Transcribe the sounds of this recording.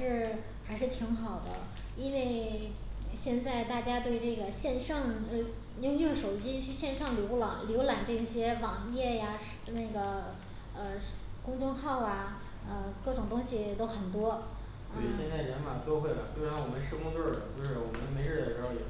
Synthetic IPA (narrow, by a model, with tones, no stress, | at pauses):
ʂɻ̩˥˩ | xa˧˥ɪʂɻ̩˥˩t̪ʰi˧˥ŋxɑ˨˩ʊd̪ə˦ | i˥nwe˥˩˧ɪ | ɕjɛ˥˧nt͡sa˥˧ɪt̪a˥˩t͡ɕja˥t̪we˥˧ɪʈ͡ʂɤ˥˩ɡə˩ɕjɛ˥˧nʂɑ˥˧ŋ˧˥˧ | jʊ˥˧ŋt͡ɕʊ˥˩ʂo˨˩ʊt͡ɕi˥t͡ɕʰy˥˧ɕjɛ˥˧nʂɑ˥˩ŋljo˧˥ʊlɑ˨˩ŋljo˧˥ʊla˨˩ŋʈ͡ʂɤ˥˩i˥˩ɕjɛ˥wɑ˨˩ŋjɛ˥˩ja˩ʂna˥˩ɡə˩ | ə˧kʊ˥ŋʈ͡ʂʊ˥ŋxɑ˥˩ʊa˩ | ə˧kɤ˥˩ʈ͡ʂʊ˨˩ŋt̪ʊ˥ŋɕi˨t̪o˥ʊxə˨˩nt̪wɔ˥ | ə˥˩ɕjɛ˥˧nt͡sa˥˩ɪljɛ˧˥nma˨˩nt̪o˥ʊxwe˥˩ɪlə˨˩swɪɻa˧˥nwɔ˨˩mə˦nʂɻ̩˥kʊ˥ŋt̪ɔ˥˩t͡ɕjo˥˧ʊʂɻ̩˥˩wɔ˨˩mə˦n˥˧me˧˥ɪɻ̩˥˩d̪ə˩ʂɻ̩˧˥xo˧jɛ˨˩